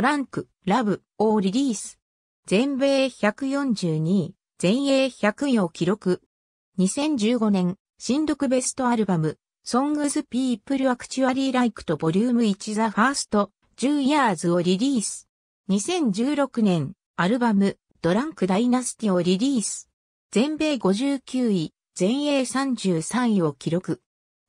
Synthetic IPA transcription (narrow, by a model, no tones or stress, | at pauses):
ɾãŋkɯ̟ | ɾabɯ̟ | oɾʲiɾʲiːsɨ̥ | zẽ̞mbe̞ːçakɯ̟jõ̞ɲd͡ʑɨːɲ̟i | d͡z̥ẽ̞ɰ̃e̞ːçakɯ̟ɲokʲiɾo̞kɯ̟ | ɲ̟isẽ̞ɲ̟d͡ʑɨːɡo̞nẽ̞ŋ | ɕĩnd̪o̞kɯ̟be̞sɨ̥t̪o̞aɾɯ̟bamɯ̟ | sõ̞ŋɡɯzɨpʲiːpːɯ̟ɾɯ̟βakɯ̟̥t͡ɕiβaɾʲiːɾaikɯ̟̥t̪o̞bo̞ɾʲɯːmɯ̟it͡ɕizaɸaːsɨ̥t̪o̞ | d͡ʑɨːijaːzɨoɾʲiɾʲiːsɨ̥ | ɲ̟isẽ̞ɲ̟d͡ʑɨːɾo̞kɯ̟nẽ̞n | aɾɯ̟bamɯ̟ | d̪̥o̞ɾãŋkɯ̟d̪ainasɨ̥t̪ʲio̞ɾʲiɾʲiːsɨɨ̥ | z̥ẽ̞mbe̞ːɡo̞ʑɨːkʲɨːi | z̥ẽ̞ɰ̃e̞ːsãɲ̟d͡ʑɨːsãɰ̃ĩo̞kʲiɾo̞kɯ̟